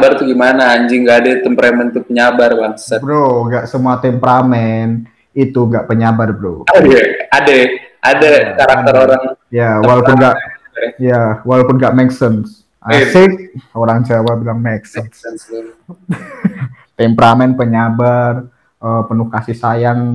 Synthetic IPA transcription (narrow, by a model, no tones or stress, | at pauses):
bart̪uɡimanaːɲd͡ʒɪŋɡaːdat̪əmpɾamɛnt̪upəɲabarwansɛbɾoŋɡaʔsəmuat̪ɛmpəɾamɛn | it̪uŋɡaʔpəɲabarbɾṵadadaʔadakaɾak̪əɾoɾaŋjawalaunɡa | jawalowpunɡaʔmɛksəns | ʔasɪk̚oɾaŋt͡ʃawabilaŋmɛksəsən | t̪ɛmpəɾamɛnpəɲabar | ʔəpənʊhkasihsajaŋ